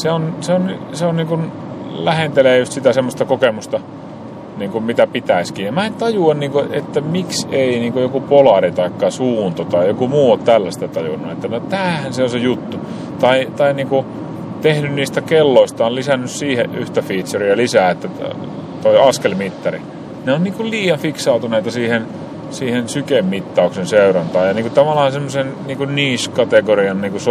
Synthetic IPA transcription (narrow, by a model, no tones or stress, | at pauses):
seonseonnyseonniːŋkun | læhent̪eleːjust̪sit̪æsemːost̪ɑkokemust̪ɑ | niːŋkummit̪æpit̪æiskiːjɑmæent̪ɑjuɑnniːŋkoet̪ːæmikseiniːŋkojokupolɑrit̪ɑikːɑsuːnt̪ot̪ɑijokumuːot̪t̪ælːæst̪æt̪ɑjṵnːuet̪ːænot̪æːhænseonsejut̪ːu | t̪ɑit̪ɑiniːŋku | t̪ehnynniːst̪ækelːoist̪ɑollisænːyssiːheʔyht̪æfiːt̪seriɑlisæːet̪ːæ | t̪oiɑskelmit̪ːɑri | neonniːŋkulliːjɑnfiksɑut̪uneit̪ɑsiːhen | siːhensykemmit̪ːɑˑuksenseurɑnt̪ɑːjɑniːŋkut̪ɑʋɑlːˑɑhɑnsemːosenniːŋkunniːskɑt̪eɡoriɑnniːkus